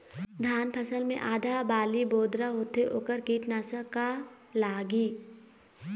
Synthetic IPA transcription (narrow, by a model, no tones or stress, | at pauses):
d̪ʱaːnpʰəsəlmḛ̃ʔaːd̪ʱabaːliboːd̪ɾaɦoːt̪eʔoːkəɾkiːʈnaːsəka | laːɡiː